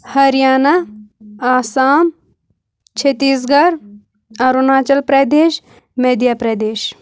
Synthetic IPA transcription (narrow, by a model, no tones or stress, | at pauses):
hɐɾijaːna | aːsaːm | t͡ʃʰet̪iːs̬ɡɐɾ | ɐɾunaːt͡ʃɐlpɾɐd̪eːʃ | med̪jaːpɾɐd̪eːʃ